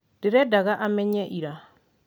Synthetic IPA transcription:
deɾɛdaɣaʔamɛɲɛʔiɾa

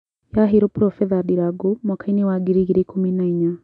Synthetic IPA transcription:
jaɦeɾɔpɾɔfɛðadiɾaɡomwakainewaɡiɾiɣiɾekʰominaiɲa

